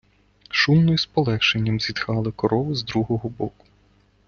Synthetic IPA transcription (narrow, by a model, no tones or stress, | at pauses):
ʃumnɔjspɔlˠɛxʃenʲːɐmzʲid̪xɑlˠɪkɔɾɔʋʊzd̪ɾuɦɔɦɔbɔkʊ̥